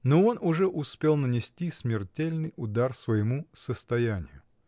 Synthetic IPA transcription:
noo̞nʔʊʐɛʔʊspʲe̞lˠnənʲɪsʲtʲismʲɪrtʲelʲnɨjʊd̪arsvəjɪmusəst̪ɐjænʲɪjʊ

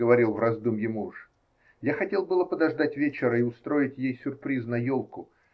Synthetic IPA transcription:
əvɐɾʲilˠvrɐzd̪umjɪmuʂ | jaxɐtʲe̞lˠbɨlˠəpəd̪ɐʐd̪atʲvʲet͡ɕɪɾəɪʊst̪ɾo̞ɪtʲjejsʲʊrpɾʲiznɐjolˠkʊ

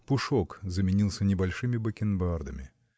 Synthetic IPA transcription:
pʊʂokzəmʲɪnʲilˠsʲənʲɪbɐlʲʂɨmʲɪbəkʲɪnbard̪əmʲɪ̰

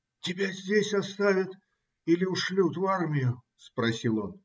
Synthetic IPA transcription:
tʲɪbʲazʲdʲesʲɐst̪avʲɪt̪ | ilʲɪʊʂlʲut̪varmʲɪjʊ | spɾɐsʲilˠo̞n

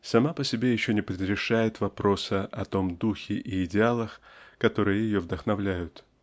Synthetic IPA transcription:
sɐmapəsʲɪbʲe̞jɪɕːonʲɪpɾʲɪɾʲɪʂajɪt̪vɐpɾo̞səʔɐt̪o̞md̪uxʲɪʔɪːdʲɪalˠəxkɐt̪o̞ɾɨjəjɪjovd̪əxnɐvlʲæjʊt̪

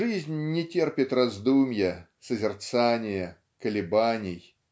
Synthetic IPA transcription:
ʐɨzʲnʲːɪtʲerpʲɪt̪rɐzd̪umʲjə | səzʲɪrt̪sanʲɪjə | kəlʲɪbanʲɪj

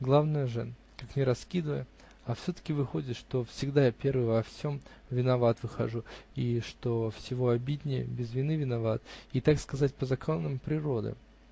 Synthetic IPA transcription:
ɡlˠavnəjəʐɨ | kaknʲɪɾɐskʲid̪əvəjə | ɐfsʲɵt̪ə̥kʲɪvɨxo̞dʲɪt̪ʂt̪o̞fsʲɪɡd̪ajapʲe̞rvɨjvɐfsʲo̞m | vʲɪnɐvat̪vɨxɐʐuiʂt̪o̞fsʲɪvo̞ɐbʲidʲnʲɪjə̰bʲɪzvʲɪnɨvʲɪnɐvat̪it̪akskɐzat̚ʲpəzɐkonːəmpɾʲɪɾo̞d̪ɨ̰

